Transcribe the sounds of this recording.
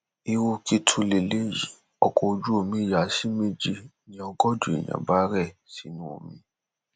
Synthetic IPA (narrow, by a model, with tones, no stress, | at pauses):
i˧wu˧ki˦tʰu˧le˨le˦ji˨ | ɔ˧kʰɔ˧o˧d͡ʒu˦o˨mĩ˧˦˨ja˨˦si˦me˦d͡ʒi˧˨ | nĩ˦ɔ˧ɡɔ˦d͡ʒu˨ḭ˨jã̰˨ba˦ɾɛ˦˨si˨˦nũ˦o̰˦˨mĩ˧